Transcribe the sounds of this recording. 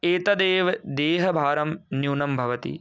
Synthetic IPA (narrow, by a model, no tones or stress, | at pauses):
eːt̪ɐd̪eːʋd̪eːɦɐbʱaːɾɐmnjuːnɐmbʱɐʋɐt̪ḭ